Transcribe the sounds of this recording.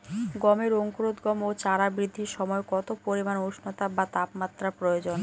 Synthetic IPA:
ɡɔmeɾoŋkoɾod̪ɡɔmot͡ɕaɾabɾid̪ʱːiɾʃɔmɔekɔt̪opoɾimanoʃnot̪abat̪apmat̪ːɾapɾojod͡ʑon

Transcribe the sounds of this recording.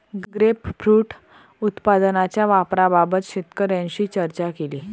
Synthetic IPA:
ɡɡɾepfɾuːʈ | ut̪pad̪nat͡ɕjaʋapɾababət̪ɕit̪kəɾjãɲɕiːt͡ɕəɾt͡ɕakeliː

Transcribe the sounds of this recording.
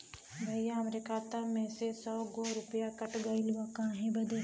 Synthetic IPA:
bʱɐɪjamɾɪkaːt̪amẽsesɔːɡoɾʊpjakɐʈɡailʋakãɦẽbɐd̪e

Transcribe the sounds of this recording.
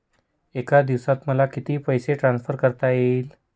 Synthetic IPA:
ekad̪iʋsat̪məlakit̪iːpəjseʈɾãnsfʰəɾkəɾt̪ajel

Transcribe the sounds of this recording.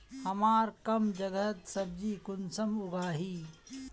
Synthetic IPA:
hɐmaːɾkɐmd͡ʒɐɡət̪sɐb̚d͡ʒiːkʊnsɐmʊɡaːɦiː

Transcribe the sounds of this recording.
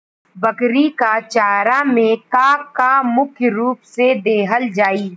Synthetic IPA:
bɐkɾikat͡ʃaːɾamẽkaːkːamʊkʰjɾuːpsed̪eːɦəld͡ʒaːiː

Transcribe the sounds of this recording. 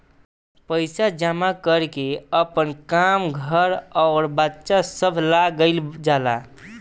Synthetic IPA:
pəɪsad͡ʒamakəɾkeəpənkamɡʱəɾɔʊɾbətːʃasəbʱlaɡəɪld͡ʒala

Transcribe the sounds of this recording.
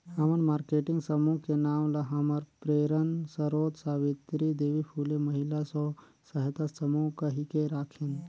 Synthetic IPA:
həmənmaːɾkeʈɪŋɡsəmuɦkenaːmlaɦəməɾpɾeːɾənsəɾoːt̪saʋit̪ɾid̪eːʋipʰuleməɦilasɔ | səɦt̪asəmukəɦikeɾaːkʰen

